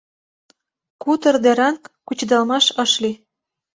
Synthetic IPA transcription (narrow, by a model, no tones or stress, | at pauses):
kut̪ə̆rd̪eɾɑŋkːut͡ɕd̪ɑlmɑʃɤ̆ʃli